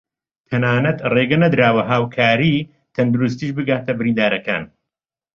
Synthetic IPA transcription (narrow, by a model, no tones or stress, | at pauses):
t̪ʰɐnaːnɐt̪reːɡɐnɐd̪ɾaːwɐɦaːwkʰaːɾiː | t̪ʰɐnd̪uɾus̬t̪iːʃbɨɡaːt̪ʰɐbɪɾiːnd̪aːɾɐka̰ːn